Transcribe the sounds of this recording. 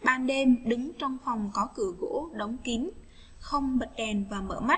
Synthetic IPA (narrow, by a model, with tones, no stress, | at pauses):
ɓaː˧nɗe˧nɗɨ˨˦ŋt͡ɕɔ˧wŋ͡mfa˨˩wŋ͡mkɔ˨˦kɨ˧˩əɣo̰˧˥ɗə˨˦wŋ͡mki˨˦n | xə˧wŋ͡mɓə˨˩t̚ɗɛ˨˩nvaː˨˩mə̰ː˧˩ma˦˥t̚